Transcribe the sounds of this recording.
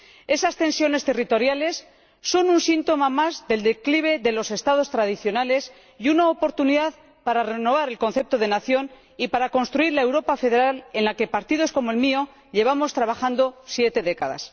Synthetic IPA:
e̞sast̪e̞nsjo̞ne̞st̪e̞rit̪o̞ɾjale̞sː | o̞nunsint̪o̞mamazðe̞ld̪e̞kliβ̞e̞ðe̞lo̞se̞st̪aðo̞st̪ɾað̞iθjo̞nale̞s | junaopo̞ɾt̪uniðað | paɾare̞no̞β̞aɾe̞lko̞nθe̞p̚t̪o̞ðe̞naθjo̞n | ipaɾako̞nst̪ɾuiɾlae̞wɾo̞pafe̞ðeɾale̞nlake̞paɾt̪ið̞o̞sko̞moelmio̞ | ʎe̞β̞amo̞st̪ɾaβaxand̪o̞sje̞t̪e̞ðe̞kaða̰s

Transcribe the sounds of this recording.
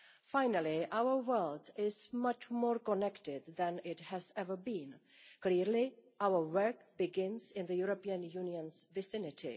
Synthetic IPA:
fãɪnəliʔaʊə˞wɜlt̪ɪzmʌt͡ʃmɔɹkɔnɛktɪd̪ðæ̃nɪthæzɛvə˞bĩn | kliɹliʔaʊə˞wɜ˞k̚b̥ɪɡɪ̃nzɪ̃nðəjuɹopiə̃njũniə̃nzvɨsɪ̃nɪtʰḭ

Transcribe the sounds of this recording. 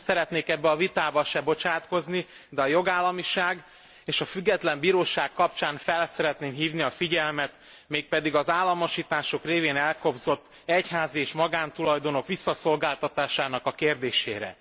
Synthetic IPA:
sɛɾɛt̪neːkɛbːɛɒvit̪aːbɒʃɛbo̞t͡ʃaːt̪ko̞zni | d̪ɛɒjo̞ɡaːlːɒmiʃaːɡ | eːʃɒfyɡːɛt̪lɛmbiːɾoːʃaːkkɒpt͡ʃaːɱfɛlsɛɾɛt̪neːmɦiːvniɒfiɟɛlmɛt̪ | meːk̚pɛd̪iɡɒzaːlːɒmo̞ʃiːt̪aːʃo̞kreːveːnɛlko̞bzo̞t̪ː | ɛchaːzieːʃmɒɡaːnt̪ulɒjd̪o̞no̞kʋisːɒso̞lɡaːlt̪ɒt̪aːʃaːnɒkɒkeːrd̪eːʃḛːɾɛ̰

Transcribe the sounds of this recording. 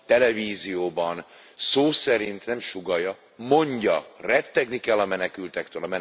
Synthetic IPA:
t̪ɛlɛviːzijoːbɒn | soːsɛɾint̪nɛmʃuɡɒjɒ | mo̞ɲɟɒrɛt̪ːɛɡnikɛlːɒmɛnɛkylt̪ɛkt̪øːlɒmɛ

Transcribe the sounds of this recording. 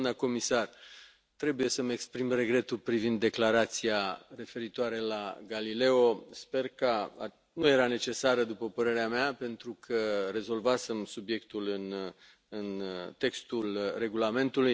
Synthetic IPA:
mnəko̞misar | t̪ɾe̞buje̞səmekspɾimre̞ɡɾe̞t̪ulpɾivind̪ːe̞klaɾat̪siare̞fe̞ɾit̪oaɾe̞la̰ɡalile̞o̞spe̞rkəa̰ | nuje̞ɾane̞t͡ʃe̞saɾəd̪upəpəɾe̞ɾeameape̞nt̪ɾukʰəɾe̞zo̞lvase̞msubje̞kt̪ulɨn | ɨnt̪e̞kst̪ulre̞ɡulame̞nt̪uluj

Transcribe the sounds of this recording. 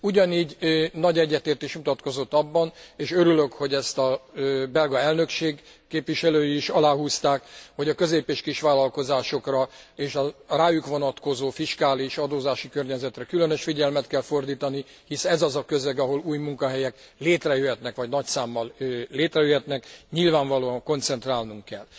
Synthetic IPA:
uɟɒniːɟnɒɟɛɟːɛt̪eːrt̪eːʃmut̪ɒt̪ko̞zo̞t̪ːɒbːɒneːʃø̞ɾylø̞kho̞ɟɛst̪ɒbɛlɡɒɛlnø̞kʃeːɡ | keːpʋiʃɛløːjiːʃɒlaːɦuːst̪aːkho̞ɟɒkø̞zeːpeːʃkiʃʋaːlːɒlko̞zaːʃo̞krɒeːʃɒraːjukʋo̞nɒt̪ko̞zoːfiʃkaːliʃɒd̪oːzaːʃikørɲɛzɛt̪rɛkylø̞nøʃfiɟɛlmɛt̪kɛlfo̞rd̪iːt̪ɒni | hisɛɛzɒzɒkø̞zɛɡɒɦo̞luːjmuŋkɒɦɛjɛk | leːt̪rɛjøɦɛt̪nɛkʋɒɟnɒcsaːmːɒlːeːt̪rɛjøɦɛt̪nɛkɲilvaːɱvɒloːɒŋko̞nt̪sɛnt̪raːlnuŋkːɛ̰l

